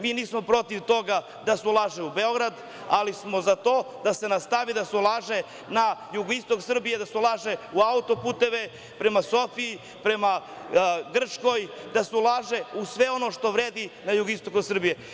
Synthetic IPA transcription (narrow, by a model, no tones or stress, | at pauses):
miːniːsmo̞pɾo̞t̪iʋt̪o̞ɡa | d̪asulˠaʒeubeo̞ɡɾad̪ | alismo̞zat̪o̞ːd̪ase̞nast̪aʋid̪aseulˠaːʒe | najuɡoist̪o̞ksr̩bije̞d̪aseulˠaʒeuaut̪o̞puːt̪e̞ʋe | pɾe̞maso̞fiː | pɾe̞ma | ɡr̩t͡ʃko̞jd̪aseulˠaːʒeusʋe̞o̞no̞ʃt̪o̞ʋɾeːd̪inajuɡoist̪o̞kusr̩bije